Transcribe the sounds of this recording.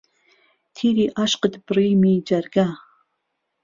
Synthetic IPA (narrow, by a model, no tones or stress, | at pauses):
tʰiːɾiːʔaʃqədbrijmid͡ʒɐrɡa